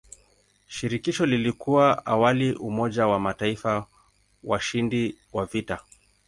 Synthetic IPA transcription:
ʃiɾikiʃɔlilikʰuwaawaliʔumɔʄawamataifa | waʃindiwavita

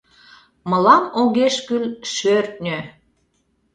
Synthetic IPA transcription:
mɤlɑmoɣeʃkylʃørt̪̚ʲnʲø

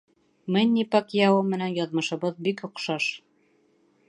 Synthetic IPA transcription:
mɘ̆nʲːipɑkjɑwɤmɘ̆nænjɑðmɤ̆ʃɤ̆βɤðbikŏqʃɑʃ

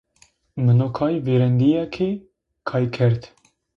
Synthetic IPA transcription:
mənokʰɑːjveɾɛnd̪ijakʰe | kʰɑːjkʰɛɾt̪

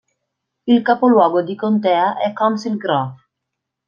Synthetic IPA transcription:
ilkapolwɔːɡod̪ikont̪ɛːaʔɛkɔnsilɡɾaf

